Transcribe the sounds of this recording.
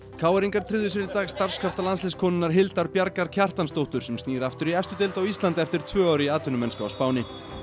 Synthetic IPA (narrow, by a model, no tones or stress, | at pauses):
kʰaːwɛɾiŋkaɾt̪ʰɾɪðʏs̬ɪɾɪt̪aːɣst̪aɾ̥skʰaft̪alanslɪskʰɔːnɪnːaɾ̥ɦɪlt̪aɾpjaɾkaɾcʰar̥t̪anst̪owht̪ʏɾ̥sɛmst̪niːɾaft̪ʏɾiɛst̪ʏt̪ɪlt̪awist̪lant̪ɛft̪ɪɾ̥t̪ʰvœːaːwɾɪiaːt̪ʏnʏmɛnskaawspaːwnɪ